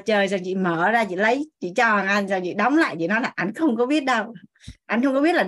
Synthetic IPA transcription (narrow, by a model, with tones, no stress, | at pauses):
t͡ɕəː˨˩jzɔ˨˩ŋt͡ɕḭ˧˨məː˧˩zaː˧t͡ɕḭ˧˨lə˨˦jt͡ɕḭ˧˨t͡ɕɔ˧˩˨ŋʔa˧jnzɔ˨˩ŋt͡ɕḭ˧˨ɗa˨˦wŋ͡mla̰ː˧˨jt͡ɕḭ˧˨nɔ˨˦jlaː˨˩ʔa˧jŋ̟xə˧wŋ͡mkɔ˨˦ɓi˦˥ət̚ɗə˧w | ʔa˧jŋ̟xə˧wŋ͡mkɔ˨˦ɓi˦˥ət̚lːa˨˩